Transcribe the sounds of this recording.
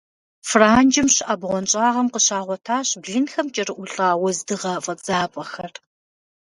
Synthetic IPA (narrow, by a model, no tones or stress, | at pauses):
fraːnd͡ʒɪmɕɪʔɐbʁʷɔnt͡ʃʼaːʁɐmqəɕaːʁʷɔtʰaːɕbɮinxɐmt͡ʃʼɐrɨʔʷʊɬʼaːwɐzdɨʁɐfʼɐd͡zaːpʼɐxɐr